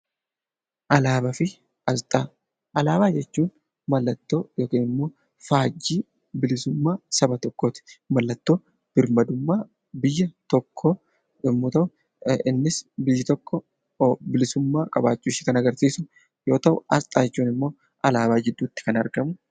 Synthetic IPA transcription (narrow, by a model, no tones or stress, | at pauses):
ʔɐlaːbɐfɪ | ɐlt̪ʼaː | ʔɐlaːbaːd͡ʒɛt͡ʃːuːn | mɐlːɐt̪ːo̞ːjoːkeːnɪmːo̞ː | faːd͡ʒːiː | bɪlɪsʊmːaːsɐbɐt̪ɔkːoːt̪ɪ̥mɐlːɐt̪ːo̞ː | b̥ɪɾmɐd̪ʊmːaː | bɪjːɐt̪ɔkʰːo | ᶑɪmːʊːt̪ɐʔʊ | ɪnːɪsbɪjːɐt̪ɔkʰːɔ | bɪlɪsʊmːaːkʼɐbaːt͡ʃʼːuːʃɪːkɐnɐɡɐɾsiːsʊ | jo̞ːt̪ɐʔʊɐst̪ʼaːt͡ʃːuːnɪmːo̞ː | ʔɐlaːbaːd͡ʒɛd̪ʊːt̪ːɪ̥kɐnɐɾɡɐmʊ